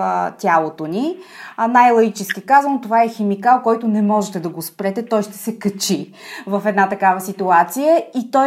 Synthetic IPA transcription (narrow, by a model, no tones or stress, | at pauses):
t̪ʲjalˠot̪oninajlˠɐɡit͡ʃɛskikazənot̪ovaɛxɛmikalˠkɔjt̪ʊnɛmɔʒɛt̪ɛd̪ɐɡospɾɛt̪ɛt̪ɔjʃt̪ɛ̥sɛkɐt͡ʃi | vəfɛd̪nat̪ɐkavəsit̪uat̪sijəit̪ɔ